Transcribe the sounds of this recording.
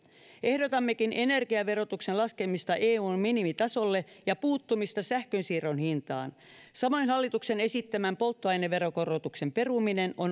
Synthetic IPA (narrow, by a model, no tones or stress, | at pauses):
ʔe̞hdot̪ɑmːe̞kine̞ne̞rɡiɑʋe̞ɾo̞t̪uksenlɑskemist̪ɑʔeːuːnminimit̪ɑso̞lːe̞jɑpuːt̪ːumist̪ɑsæhkønsiːro̞nhint̪ɑːn | sɑmo̞jnhɑlːit̪ukse̞ne̞sit̪ːæmæmpo̞lt̪ːoɑjneːe̞ɾo̞ko̞rˑot̪ukse̞mpe̞rumine̞no̞n